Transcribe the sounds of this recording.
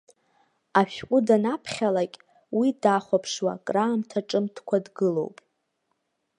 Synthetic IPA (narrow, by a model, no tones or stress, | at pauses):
aʃᶣkʷʼʊdanapʰχʲalakʲʼ | widaχʷapʰʂwa̰kʼraːmtʰaʈ͡ʂʼɨmtʰkʷʰadɡɨlo̞̰wpʼ